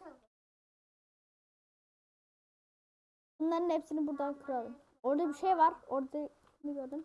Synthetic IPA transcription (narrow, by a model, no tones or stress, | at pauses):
bunlˠaɾɯnhefsinibuɾd̪ankʰɯɾad̪ˠɯm | oɾd̪abiʃejvaɾoɾd̪a | niɡøɾd̪ɯm